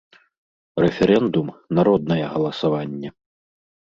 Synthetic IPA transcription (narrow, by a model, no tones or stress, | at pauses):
ɾɛfʲɛɾɛnd̪umnaɾɔd̪nɐjɛɣɐlˠɐsavanʲːɛ